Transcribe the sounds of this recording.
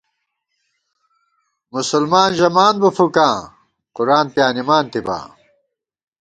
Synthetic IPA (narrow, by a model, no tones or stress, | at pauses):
musulmaːnʑɐmaːnbufukãː | quɾaːnpjaːnimaːnt̪iba̰ː